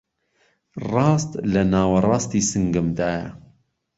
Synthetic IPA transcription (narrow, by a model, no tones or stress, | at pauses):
rɑːst̪lɐnɑːwɐrɑːst̪iːsɨŋɡɨmd̪ɑːjɛ̰